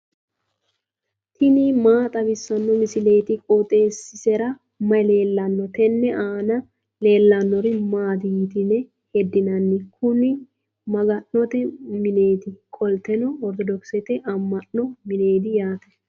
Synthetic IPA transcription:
t̪ɪnimaːt̪ʼɐbɪsːɐnːɔmɪsɪle̞ːt̪ɪkʼot̪ʼe̞ːsːɪsɛɾɐ | mɐjle̞ːlːɐnːɔt̪ɛnːɛʔaːnɐ | le̞ːlːɐnːɔɾɪmaːd̪iːt̪ɪnɛ | hɛd̪ːɪnɐnːɛkʰʊnɪ | mɐɡɐnnɔt̪ɛmɪne̞ːd̪ɪkʼɔlt̪ɛnɔɔɾt̪ɔd̪ɔksɛt̪ɛʔɐmːɐnnɔmɪne̞ːd̪ɪjaːt̪ɐ

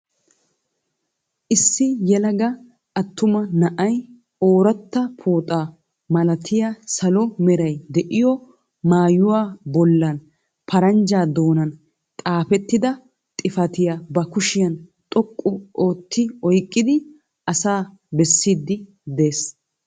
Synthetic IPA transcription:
ʔɪsːɪjɛlɐɡɐ | ʔɐt̪ːʊmɐnɐʔɐj | oːɾɐt̪ːɐpʰoːt̪ʼaː | mɐlɐt̪ʰɪjasɐlɔmɛɾɐjd̪ɛʔɪjɔ | maːjʊwaːbɔlːɐn | pʰɐɾɐnd͡ʒaːd̪o̞ːnɐn | t̪ʼaːpɛt̪ːɪd̪ɐ | t̪ʼɪfɐt̪ɪjabɐkʊʃɪjɐnt̪ʼɔkʼːʊʔo̞ːt̪ːɪɔjkʼːɪd̪ɪ | ʔɐsaː | bɛsːiːd̪ːɪ | d̪e̞ːs

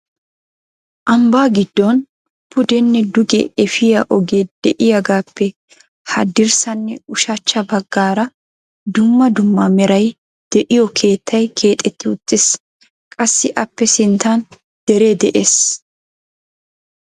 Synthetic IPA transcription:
ʔɐmbaːɡɪd̪ːɔn | pʊd̪ɛnːɛd̪ʊɡɛ̰ɛfɪjɐʔɔɡeːd̪̥ɛʔɪjɐɡaːpːɛ | hɐd̪ɪɾsɐnːɛʊʃɐt͡ʃːɐbɐɡːaːɾɐ | d̪ʊmːɐd̪ʊmːɐmɛɾɐj | d̪̥ɛʔɪjɔkʰe̞ːt̪ʰːɐjkʰe̞ːt̪ʼːɛt̪ːɪʊt̪ːɪs | kʼɐsːɪʔɐpːɛsɪnt̪ʰan | d̪̥ɛɾeːd̪ɛʔeːs

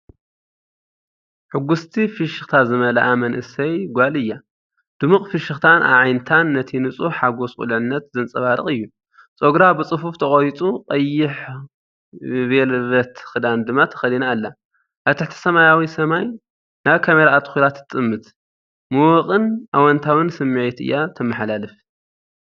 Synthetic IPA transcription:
ħɨɡːust̪ʰifiʃɨxt̪ʰazɨmɐlɐʔamɐnʔɨsɐjɡʷalɨjːa | d̪̥ɨmɨχʼfiʃɨxt̪ʰanʔa̰βʕajnt̪ʰanːɐt̪ʰinɨt͡sʼuħaɡo̞skʼṵlʕɨnːɐt̪zɨnt͡sʼɐβaɾɨ̰χʼɨjːu | t͡sʼoɡɾabɨt͡sʼɨfuft̪ʰɐχʼojt͡s̪ʼuqʼɐjːɪħ | belβɐt̪xɨd̪and̪ɨmat̪ʰɐ̥xɐlinalːa | ʔaβt̪ʰɨħt̪ʰɐ̥sɐmajawisɐmaj | naβkʰameɾaːt̪ʰkulat̪ʰːɨt̪ʼɨmːɨt̪ | mɨwɔqʼɨnʔawɔnt̪ʰawɨnsɨmːiʕet̪ɨ̰jːat̪ʰɐmɐħlalɨf

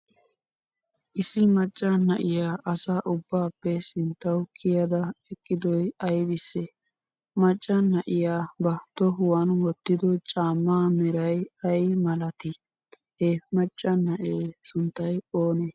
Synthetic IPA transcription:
ʔɪsɪmɐt͡ʃʼːɐnɐʔɪjaːʔɐsaːʔʊbːaːpːɛsɪnt̪ːɐwkʰɪjɐd̪ɐɛkʼːɪd̪ɔjɐjbɪsːɛ | mɐt͡ʃʼːɐnːɐʔɪjaːbɐt̪ːɔɦʊwɐnwɔt̪ːɪd̪ɔt͡ʃʼaːmːaːmɛɾɐjɐjmɐlɐt̪ɪ | hemɐt͡ʃʼːɐnːɐʔeːsʊnt̪ːɐjoːne

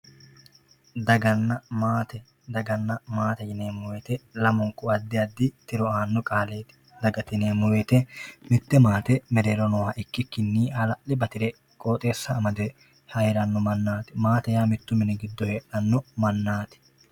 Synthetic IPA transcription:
d̪ɐɡɐnːɐmaːt̪ɛ | d̪ɐɡɐnːɐmaːt̪ɛjɪneːmʊweːt̪ɛlɐmɔŋkʊɐd̪ːɪjɐd̪ːɪt̪ɪɾɔaːnːɔkʼaːleːt̪ɪ̥ | d̪ɐɡɐt̪ɪneːmʊweːt̪ɛmɪt̪ːɛmaːt̪ɛmɛɾeːɾɔnɔwaːʔɪkːɪkːɪnːiːɐlɐʔɪbɐt̪ɪɾɛ | kʼoːt̪ʼe̞ːsːɐːmɐd̪ɛ | hɐjɾɐnːɔmɐnːaːt̪ɪmaːt̪ɛjaːmɪt̪ːʊmɪnɛɡɪd̪ːɔheːᶑɐnːɔmɐnːaːt̪ɪ̥

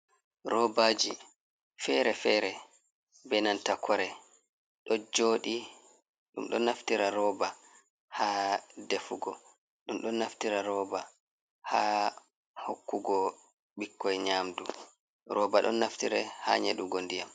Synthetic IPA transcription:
ɾɔbaːd͡ʒi | fɛɾɛfɛːɾɛ | bɛnantakʰɔɾɛ | ɗɔd͡ʒoːɗi | ɗṵmɗɔnːaftiɾaɾɔːba | hadefuɡɔ | ɗumɗɔnːaftiɾaɾɔːba | ha | hokːuɡɔ | ɓikːɔjɲaːmdu | ɾʔɔːbaɗɔ̰nːaftiɾɛha̰ɲeɗuɡondijam

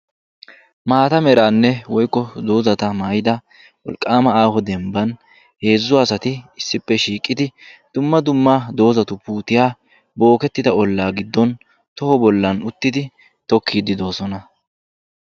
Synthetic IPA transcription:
maːt̪ɐmɛɾaːnːɛwɔjkːɔd̪oːzɐt̪ɐmaːjɪd̪ɐ | wɔ̰lkʼːaːmɐaːhɔd̪ɛmbɐn | he̞ːzːʊaːsɐt̪ɪɪsːɪpːɛʃiːkʼːɪd̪ɪd̪̥ʊmːɐd̪ʊmːad̪o̞ːzɐt̪ʊpuːt̪ɪjaː | bo̞ːkɛt̪ːɪd̪ɐɔlːaːɡɪd̪ːɔn | t̪ɔhɔbɔlːɐnʊt̪ːɪd̪ɪ | t̪ɔkːiːd̪ɪd̪o̞ːsɔnɐ

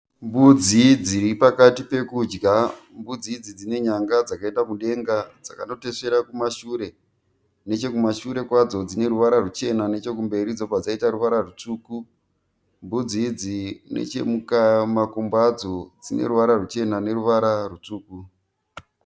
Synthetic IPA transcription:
mbud͡zid͡ziɾipakatipe̞kud͡ʒɡa | mbud͡zid͡zid͡zine̞ɲaŋɡad͡zakae̞ndamuɗe̞ŋɡad͡zaka̰no̞te̞se̞ɾakumaʃuːɾe̞ | ne̞t͡ʃe̞kumaʃuɾe̞kwad͡zo̞d͡zine̞ɾuʋaɾarut͡ʃe̞nanet͡ʃe̞k̬umbe̞ɾid͡zo̞pad͡zaitaɾuʋaɾarut͡suːku | mbud͡zid͡zine̞̰t͡ʃe̞̰mukamakumbad͡zo̞d͡zine̞̰ɾuʋaɾarut͡ʃe̞nane̞ɾuʋaɾarut͡suːku

